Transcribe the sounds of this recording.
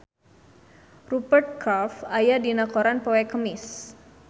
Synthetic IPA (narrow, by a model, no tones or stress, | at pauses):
rupərt̪̚kʰafajadinakoɾanpowɛkəmɪs